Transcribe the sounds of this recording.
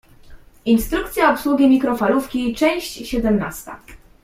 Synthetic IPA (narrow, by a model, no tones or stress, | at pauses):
inst̪ɾuk̚t̪sʲjaɔpswuɡʲimʲikɾɔfalufkʲit͡ʂɛ̃w̃ɕt͡ɕɕɛd̪ɛmnast̪a̰